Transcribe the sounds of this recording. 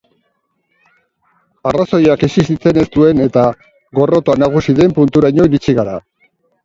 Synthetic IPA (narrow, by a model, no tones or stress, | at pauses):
araso̞jakisisit͡se̞ne̞st̪ue̞ne̞t̪a | ɣo̞ro̞t̪oanaɣ̞usiðe̞mpunt̪uɾaɲo̞iɾit͡siɣaɾa